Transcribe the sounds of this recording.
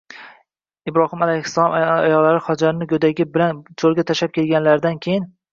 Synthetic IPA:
ɪbɾɒhɪmalajhɪsːalˠɒmajɒʁlːaɾɪχɒd͡ʒaɾɪnɪɡʲod̪aɡʲɪbɪlant͡ʃʰolˠɡʲat̪ʰaʃap̚kʲʰe̞lɡʲanlaɾɪd̪ankʲʰejɪn

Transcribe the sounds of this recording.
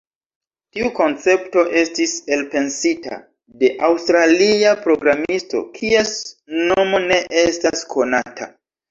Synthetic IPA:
tiuko̞nt͡se̞pto̞ʔe̞stise̞lpe̞nsita̰ | de̞ʔawstɾaliapɾo̞ɡɾamisto̞̰kʰie̞snomo̞ne̞ʔe̞staskʰo̞natʰa̰

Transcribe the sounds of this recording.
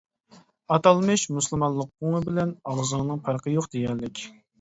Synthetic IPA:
ɑt̪ɑlˠmɨʃmuslˠmɑllˠːəq̚oŋɨbɪlɛnɑlˠzɨŋnɨŋpʰɑɾqəjoqd̪̥ejæɾlɪkʲ

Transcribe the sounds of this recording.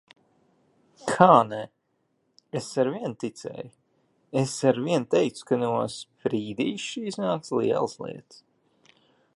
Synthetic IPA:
kʰaːnɛ | esaɾviɛnt̪it̪sɛ̰ːj | esaɾviɛnt̪ɛjkt̪su̥kanuɔspɾiːd̪iːʃʃiːznaːk̚t̪slḭɛlˠslˠḭɛt̪s

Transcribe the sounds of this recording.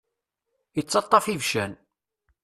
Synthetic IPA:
ət͡sːɑt̪ˤːɑfivʃæn

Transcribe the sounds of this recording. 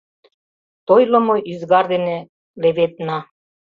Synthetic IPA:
t̪ojlɤ̆mojizɡɑɾd̪ene | leβet̪nɑ

